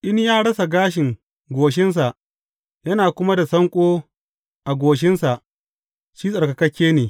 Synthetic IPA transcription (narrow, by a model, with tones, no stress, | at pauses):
ʔɪ˦ɲjaː˦ɽɐ˦sa˨ɡaː˦ʃɪ˨ŋ | ɡʷoː˨ʃ̬ɪ˦ns̬a˨ʔ | jɐ˦naː˨kʷʊ˦ma˦da˨sɐ˦ŋkʷʼoː˦ | ʔa˨ɡʷoː˨ʃ̬ɪ˦nsa˨ʔ | ʃiː˦sʼɐ˨rkɐ˨kɐ˦kʲːeː˦neː˨